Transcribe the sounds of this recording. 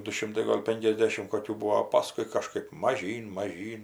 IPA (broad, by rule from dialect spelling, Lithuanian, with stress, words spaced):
dʊ ˈʃʲɪmtɐɪ ˈɡoːlʲ ˈpʲɛŋʲkʲɛzʲdʲɛʃʲɪm ˈkoːkʲuː ˈbʊʋoː oː ˈpɑːskʊɪ kɐˈʃkɜp mɐˈʒʲiːn mɐˈʒʲiːn